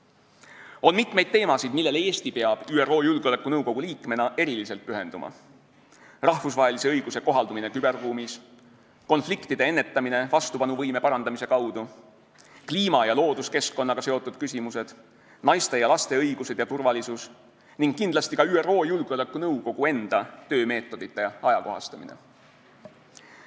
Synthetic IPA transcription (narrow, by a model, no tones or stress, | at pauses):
o̞nmit̪ˑme̞jd̪̚t̪e̞ːmɑsid̪̥milːe̞leeːst̪ipe̞ɑb̥yːero̞ːjulɡ̥eolekːˑunɤwko̞ɡ̥uliːkˑme̞nɑʔe̞ɾilise̞lt̪̚pyɦe̞nd̪̥umʔɑ̰ | rɑhfusvɑɦe̞lise̞ɤjɡ̥use̞ko̞ɦɑld̪umine̞kyb̥e̞rːuːmis | ko̞nflikt̪id̪ee̞nːe̞t̪ːˑɑmine̞vɑst̪upɑnuvɤjme̞pɑɾɑnd̪̥ɑmise̞kɑwd̪̥u | kliːmɑjɑlo̞ːd̪uske̞skːo̞nːɑɡ̥ɑse̞o̞t̪ːˑud̪̥̚kysʲimuse̞d̪̥ | nɑjst̪e̞jɑlɑst̪e̞ɤjɡ̥use̞d̪jɑt̪urvɑlisus | niŋɡ̥kːind̪lɑst̪ikɑyːero̞ːjulɡ̥olɛkːˑunɤwko̞ɡ̥ue̞nd̪̥ɑt̪ø̞ːme̞ːt̪ːˑo̞d̪̥it̪ːˑe̞ɑjɑko̞ɦɑ̰st̪ɑmḭnḛ